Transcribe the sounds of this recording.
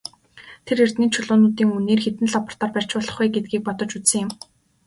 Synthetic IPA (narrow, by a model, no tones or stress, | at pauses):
t̪ʰeɾer̥t̪niːnt͡ɕʰʊɮʊːnʊːt̪iːŋuneːrxet̪ɘ̆nɮɔp̆r̥t̪ɔːrpær̥t͡ɕpʊːɮɞ̆χɡujɡet̪̚ɡiːk̚pɔt̪ɞ̆t͡ɕut͡ssə̆ŋjɪ̆m